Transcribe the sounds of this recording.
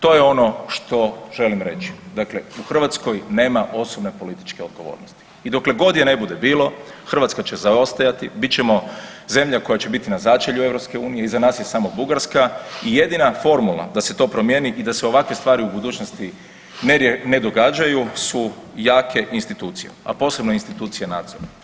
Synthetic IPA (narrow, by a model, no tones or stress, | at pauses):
t̪o̞ːje̞o̞no̞ʃt̪o̞ʒ̥e̞limɾe̞̰t͡ʃi̥d̪akle̞uxr̩ʋat̪sko̞jne̞ːmaʔo̞sobne̞po̞lit̪i̥t͡ʃke̞o̞d̪ɡo̞ʋo̰ːɾnost̪i̥ | id̪o̞kle̞ɡo̞d̪jene̞bud̪e̞biːlo̞ | xr̩ʋat̪skat͡ɕe̞zao̞st̪ajat̪ibit̪̚t͡ʃe̞mo̞ | ze̞mʎako̞jat͡ʃe̞bit̪inazat͡ʃeʎue̞vɾopske̞uːnijeizanaːsjesaːmo̞buɡaɾskaije̞d̪inafo̞ɾmulˠa̰d̪aset̪o̞ːpɾo̞mje̞niʔid̪aseo̞ʋakʋest̪ʋaːɾiubud̪uːt͡ʃnost̪i | nned̪o̞ɡad͡ʒajusujaːkʰe̞ʔinst̪it̪uːt̪sijḛa̰po̞ːse̞bnoinst̪it̪uːt̪sijenaːd̪z̥oɾa